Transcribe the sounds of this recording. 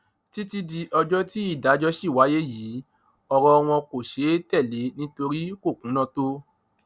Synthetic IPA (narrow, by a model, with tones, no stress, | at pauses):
ti˦ti˦di˧ʔɔ˧d͡ʒɔ˦ti˦i˦˨da˨˦d͡ʒɔ˦ʃi˦˨wa˨˦je˦jiː˨˦ | ɔ˧ɾɔ˧ɔ˧w̃ɔ̃˧ko˨ʃe˨˦tɛ˦˨le˨˦nĩ˦to˧ɾi˦ko˦˨kũ˨˦nã˦˧to˦